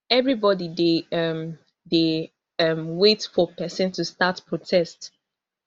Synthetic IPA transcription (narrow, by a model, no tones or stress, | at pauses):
ɛvɹibɔdideʌm | de | ʌmwetfɔpɛsə̃ntustatpʰɹotʰɛst